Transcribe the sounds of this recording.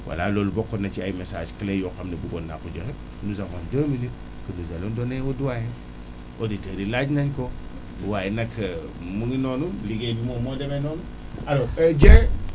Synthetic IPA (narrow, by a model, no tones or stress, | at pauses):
wʔa̰lalolubokːonat͡ʃia̰jmesa̰ːd͡ʒkilejoxamnibuɡonːa̰kud͡ʒohe | nuzakondomini | kənuzalondoneoduwaje | oditeɾilad͡ʒnaɲko | uwajinakʰɐ | muŋinonumliɡedimomodemenonu | aɾod͡ʒe